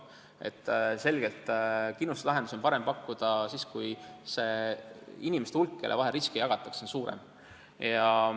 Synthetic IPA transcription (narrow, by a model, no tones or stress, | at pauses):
e̞̰t̪ːˑse̞lɡ̥e̞lt̪kinːust̪lɑɦed̪̥us̬o̞npɑɾe̞mpɑkːud̪̥ɑsiːskujse̞ | inime̞st̪ulkːelʔevɑɦeɾiskijɑɡ̥ɑt̪ˑːɑ̥kso̞nsuːɾḛm | jɑ